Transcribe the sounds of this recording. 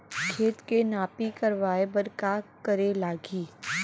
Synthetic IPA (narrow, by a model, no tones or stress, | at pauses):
kʰeːt̪kenaːpikɐɾʋaːebəɾkakəɾelaːɡiː